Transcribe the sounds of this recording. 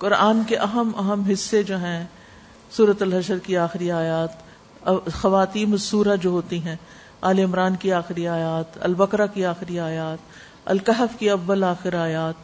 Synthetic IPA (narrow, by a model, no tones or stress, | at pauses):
kʊɾaːnkeʔɐɦəmɐɦəmɦɪsːed͡ʒoːɦɛ̃ | suːɾət̪ɐlɦɐʃəɾkiaːxɪɾiaːjaːt̪ | ɐxɐʋaːt̪iːnɐsːuːɾad͡ʒoːɦoːt̪iɦɛ̃ː | a̰ːleɪmɾaːnkiaːxɪɾiaːjaːt̪ɐ̰lbɐkɾakiaːxɪɾiaːjaːt̪ | ɐ̰lkɐɦəfkiɐʋːəlaːxɪɾaːjaːt̪̚